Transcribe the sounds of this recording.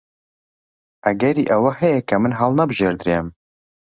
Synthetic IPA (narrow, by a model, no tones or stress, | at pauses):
ʔɐɡɛɾiʔɛwahɛjɛkʰɐmɨnɦɑlˠnabɨʒeɾd̪ɾem